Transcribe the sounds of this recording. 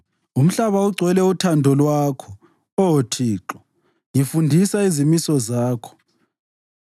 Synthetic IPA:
um̩ɬaβauɡ͡ǀʱwɛlɛutʰandʱɔlwakʰɔ | ɔotʰiːǁɔ | jifundʱisaizimisɔzaːkʰɔ̥

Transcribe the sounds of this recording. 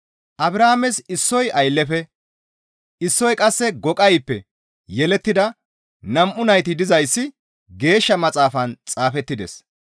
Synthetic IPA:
ʔɐbɾaːmɛsɪsːɔjɐjlːɛfɛ | ɪsːɔjkʼɐsːɛɡɔkʼɐjpːɛ | jɛlɛt̪ːɪd̪ɐ | nɐmʔʊnɐjt̪ɪd̪ɪzɐjsːɪ | ɡe̞ːʃːɐmɐt͡sʼaːfɐnt͡sʼaːfɛt̪ːɪd̪ɛs

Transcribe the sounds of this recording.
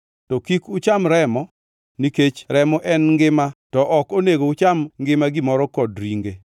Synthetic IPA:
tɔkikut͡ʃamɾɛmɔ | niket͡ʃɾɛmɔʔɛnŋɡɪmatɔʔɔkoneɡoʊt͡ʃamŋɡɪmaɡɪmɔɾɔkɔdɾiŋɡe

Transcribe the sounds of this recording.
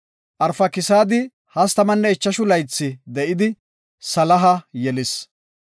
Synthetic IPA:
ʔɐɾfɐkɪsaːd̪ɪ | hɐst̪ɐmɐnːɛɛt͡ʃːɐʃʊlɐjt͡sːɪd̪ɛʔɪd̪ɪ | sɐlɐɦɐjɛlɪs

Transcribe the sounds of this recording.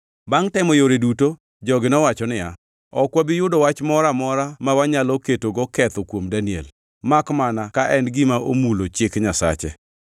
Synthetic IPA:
baŋtɛmɔjoɾeduto | d͡ʒɔɡɪnɔwat͡ʃɔnɪja | ɔkwabɪjʊdɔwat͡ʃmɔɾamɔɾamawaɲalɔketoɡɔkɛt̪ɔkwomdaniɛ̰l | makmanakaʔɛnɡɪmaʔomulot͡ʃɪkɲasa̰t͡ʃɛ̰

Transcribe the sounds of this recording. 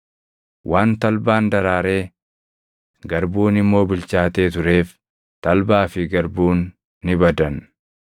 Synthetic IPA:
wʔaːnt̪ɐlbaːnd̪ɐɾaːɾe̞ː | ɡɐɾbuːnɪmːo̞ːbɪlt͡ʃaːt̪e̞ːt̪ʊɾe̞ːf | t̪ɐlbaːfɪɡɐɾbuːnː | ɪbɐd̪ɐn

